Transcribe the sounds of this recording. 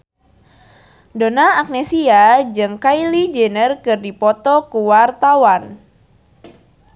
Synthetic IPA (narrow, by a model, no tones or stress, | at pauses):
donaːk̚nɛsiad͡ʒɨŋkailid͡ʒenərkɨrdipɔt̪ɔkuwart̪awan